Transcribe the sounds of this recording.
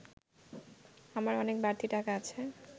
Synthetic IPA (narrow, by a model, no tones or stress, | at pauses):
amaɾɔnek̚baɾt̪ʰiʈakaat͡ɕʰe